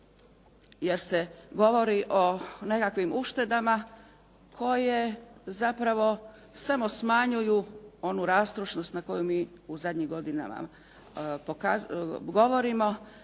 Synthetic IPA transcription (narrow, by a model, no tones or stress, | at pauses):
je̞ɾse̞ɡo̞ʋo̞ɾiʔo̞ne̞kakʋimuʃt̪e̞d̪ama | kʰo̞je̞zapɾaʋo̞ | samo̞smaɲujuo̞nuɾaːst̪ɾoʃno̞st̪nako̞jumiː | uzad̪ɲimɡo̞d̪ina̰ma̰ | pokaɡo̞ʋo̞ɾimo̞